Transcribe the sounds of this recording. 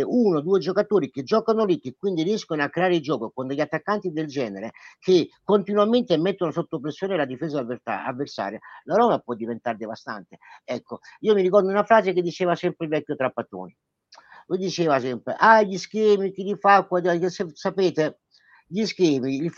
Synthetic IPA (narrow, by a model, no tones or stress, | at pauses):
ʔunod̪uːed͡ʒokat̪oːɾiked͡ʒɔːkanolikːekːwind̪iriɛskonoakːɾeaːɾeid͡ʒɔːkokond̪eʎːat̪ːakːant̪id̪eld͡ʒɛːneɾekekːont̪inwament̪emːet̪ːonosot̪ːop̬ɾesːjoːnelad̪ifeːzaa̰a̰vːersa̰ːɾjalaɾɔːmapwɔd̪ːivent̪aɾd̪evast̪a̰nt̪e̥ɛkːoiːomiɾik̬ɔrd̪unafɾaːzek̬ed̪ːit͡ʃeːvasɛmpɾeilvɛkʲːjot̪ɾapːat̪o̰ːni | lujd̪it͡ʃeːvasɛmpɾḛʔaʎiskɛːmikilifakːwad̪aesesapeːt̪e | ʎiskɛːmil